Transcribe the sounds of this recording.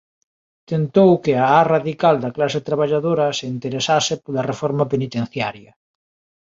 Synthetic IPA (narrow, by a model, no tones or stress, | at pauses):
t̪ent̪owkɪaaraðikald̪ɐklaset̪ɾaβaʎaðoɾɐseint̪eɾesasepolɐrefɔɾmapenit̪ẽn̟θjaɾjɐ